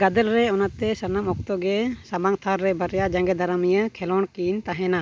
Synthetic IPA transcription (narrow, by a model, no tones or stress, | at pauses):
ɡad̪əlɾɛɔnat̪ɛsənamɔk̚t̪ɔɡɛsabaŋt̪ʰaɾːɛbəɾjad͡ʒaŋɡɛd̪aɾamijəkʰɛlɔɳkint̪aɦɛna